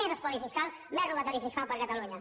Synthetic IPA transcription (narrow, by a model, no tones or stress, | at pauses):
ezəspɔɾifiskal | mɛruβat̪ɔɾifiskalpəɾkat̪aluɲə